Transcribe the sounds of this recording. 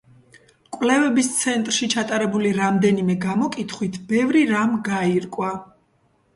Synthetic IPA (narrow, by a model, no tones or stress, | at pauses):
kʼwlɛvɛbist̪sʰɛnt̪ʼɾʃit͡ʃʰat̪ʼaɾɛbuliɾamd̪ɛnimɛɡamɔkʼit̪ʰχwit̪ʰbɛvɾiɾamɡaiɾkʼwa